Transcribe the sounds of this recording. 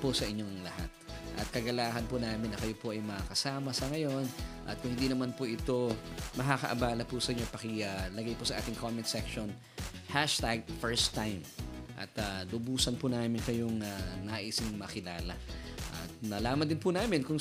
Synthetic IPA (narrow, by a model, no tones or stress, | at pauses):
posɐʔɪɲːo̞ŋlɐha̰t̪̚ | ʔɐ̰t̪̚kɐɡɐlaːhɐnpʊnaːmɪnːɐkɐjo̞poʔɐjmɐakɐsaːmɐsɐŋɐjo̞nʔɐ̰t̪̚kʊŋhɪnd̪inɐmanpoʔɪt̪o̞mɐkakɐ̰ʔɐbaːlɐpʊsɐʔɪɲopɐkɪalɐɡajposɐʔaːt̪ɪŋkʰomɛnt̪sɛkʃon | haʃt̪aɡ̚fɛɹst̪ːajmʔɐ̰t̪alʊbuːsɐnpʊnaːmɪnkɐjoŋanaʔɪsɪŋmɐkɪlaːlɐʔɐ̰t̪̚nɐlaːmɐnd̪ɪnpʊnaːmɪnkʊŋ